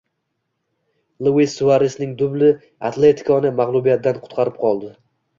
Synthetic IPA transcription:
lˠuɪsːʊvaɾɪsnɪŋd̪ʊblɪ | a̰t̪ʰle̞t̪ʰɪ̥kʰɒnɪmaʁlˠʊbijat̪̚d̪anqʰʊ̥t̪qʰɑɾɪp̚qʰɒlˠd̪ɪ

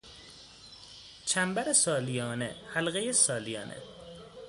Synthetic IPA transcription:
t͡ʃʰæmbæɾesɒːlijɒːnḛhælɣejesɒːlijɒ̰ːnʔḛ

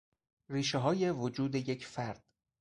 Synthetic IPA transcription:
riːʃeɦɒːje̞vod͡ʒuːd̪eje̞cʰfæɾd̪̥̚

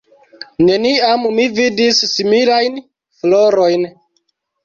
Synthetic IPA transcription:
ne̞niammividisːimilajn | floɾo̞jn

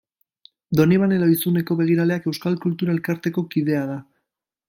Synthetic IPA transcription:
d̪o̞niβaneloisune̞ko̞βe̞ɣ̞iɾaleake̞wskalkult̪uɾae̞lkaɾt̪e̞ko̞kið̞e̞aða

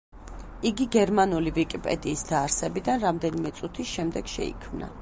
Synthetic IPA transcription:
iɡiɡɛɾmanulivikʼipʼɛ̰d̪iːsd̪aːɾsɛbid̪anɾamd̪ɛnimɛt̪sʼut̪ʰiʃɛmd̪ɛɡ̥ʃɛ̰ḭkʰmna̰

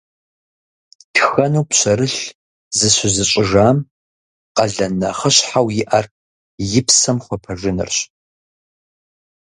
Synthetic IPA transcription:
tʰxɐnuwpɕɐɾɨɬ | zɨɕʷɪzɨɕʼɪʒaːm | qɐɮɐnɐχəɕħawjɪʔɐr | jɪpsɐmχʷɔpʰɐʒɪnɨ̰rɕ

